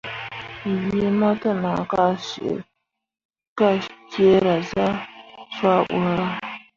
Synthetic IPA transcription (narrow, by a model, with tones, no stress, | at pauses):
ji˦ma˦ta˦na˨ka˦ʃḭ˨ʔ | ka˦ke˦ɾa˨za˦fa˦ʔṵ˨ɾa˦